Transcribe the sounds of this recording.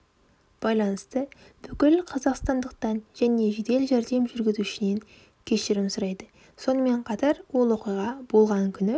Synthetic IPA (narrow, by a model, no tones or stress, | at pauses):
b̥ɑjlˠɑnəst̪ə | b̥ʏkʲɪlqʰɑzɑqst̪ɑnd̪əq̚t̪ɑnʒ̥æne̞ʒed̪e̞lʒæɾd̪e̞mʒʏɾɡʲɪzuɪʃɪne̞ŋ | kʲʰe̞ʃɪɾɪmsʊɾɑjd̪ə | so̞nəme̞ɴqʰɑt̪ɑɾwo̞lˠwo̞qijʁɑb̥o̞lˠʁɑŋkʲʰʏnɪ